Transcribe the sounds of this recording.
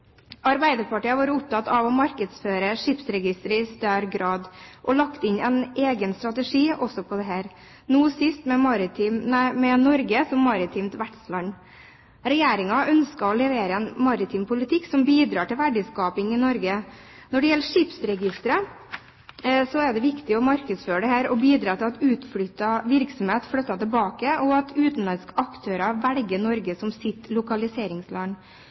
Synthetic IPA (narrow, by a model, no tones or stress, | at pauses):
ɑɾbæɪd̪əɾpʰɑʈiːɑʋɑːɾəʊp̚t̪ʰɑt̪ːɑʋɔmɑɾkəd̪sføːɾəʂɪpsɾɛɡɪst̪əɾəɪst̪œɾɡɾɑːd̪ʔɔlɑkt̪ɪɲɛnʔeːɡənst̪ɾɑt̪əʂiːʔɔsɔpʰɔd̪ɛɦæːɾ | nuːsɪst̪mɛmɑɾɪt̪ʰiːmmɛnɔɾɡəsɔmːɑɾɪt̪ʰiːmt̪ʋæʈslɑn | ɾɛjeːɾɪŋɑʔœnskɑɔlɛʋeːɾəɛnmɑɾɪt̪ʰiːmpʰʊlɪt̪ʰɪksɔmbiːd̪ɾɑːʈɪlʋæɖɪskɑːpɪŋɪnɔɾɡə | nɔɖɛjɛlːəʂɪpsɾɛɡɪst̪ɾə | sɔɛɖɛʋɪkt̪ɪɔmɑɾkəd̪sføːɾəɖɛhæːɾɔbiːd̪ɾɑːt̪ɪlɑt̪ʉːt̪fɽʏt̪ːɑʋɪɾksɔmheːt̪fɽœt̪ːɑt̪ɛlbɑːkəɔɑt̪ʰʉːt̪n̩lɑnskɑkt̪ʰøːɾɑʋælɡənɔɾɡəsɔmsɪt̪ːlʊkɑlɪseːɾɪŋslɑŋ